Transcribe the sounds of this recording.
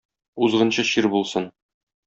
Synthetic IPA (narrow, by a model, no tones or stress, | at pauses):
uzʁɤ̆nɕɤɕiɾbulˠsɤn